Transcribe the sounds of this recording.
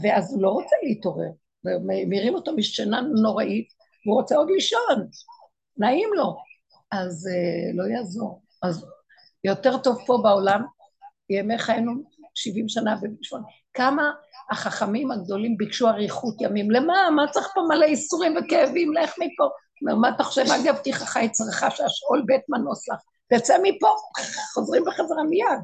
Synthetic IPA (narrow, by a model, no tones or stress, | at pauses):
veazulo̞ʁo̞t͡seliito̞ʁe̞̰ʁ | vememiʁimo̞tomiʃtenano̞ʁaʔit̪ | vuʁo̞t͡seo̞d̪liʃonː | aimlo̞ | azelo̞jazo̞̰ʁ | az | jo̞te̞ʁto̞vpo̞baolam | jemeχaenuʃivimʃanabebiʃon | kamaːχaχamimaɡ̚d̪o̞limbikʃuaʁiχut̪jamimlemamat͡saʁeχpomaleisuʁimvekeːvimleeχmipo̞ | omeʁmaat̪aχoʃevaɡavt̪iχaχajt͡sʁaχaʃeaʃolbet̪manoslaχ | bet͡semipo̞χo̞zʁimbeχazeʁamijad